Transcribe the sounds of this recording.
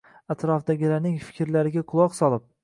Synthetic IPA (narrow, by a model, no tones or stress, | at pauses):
at̪ɾɒfd̪aɡʲɪlaɾnɪŋfɪ̥kʲʰɾlaɾɪɡʲaqʰʊlˠɒqsɒlˠɪp̚